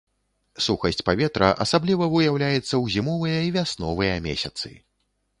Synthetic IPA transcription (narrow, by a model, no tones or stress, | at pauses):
suxɐsʲt͡sʲpavʲɛt̪ɾɐʔɐ̰sablʲivɐvɨjawlʲajɛt̪sːɐwzʲimɔvɨjɐivʲasnɔvɨjɐmʲḛsʲɐt̪sɨ̰